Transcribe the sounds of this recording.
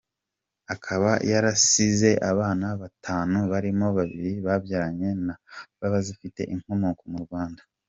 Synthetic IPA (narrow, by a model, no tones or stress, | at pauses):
akʰaβa̰jaɾasize̞ʔaβaːnaβatʰaːnuβaɾimo̞βaβiɾiβabjaːɾaɲe̞naβaβazifite̞̰ʔiŋ̥honukomuɾɡwaːndḁ